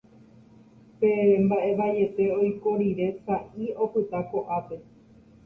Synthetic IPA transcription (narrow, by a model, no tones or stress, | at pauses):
peɾembaʔe̞ʋae̞t̪e̞o̞jkoɾiɾe̞saʔio̞pɨt̪ako̞ʔape̞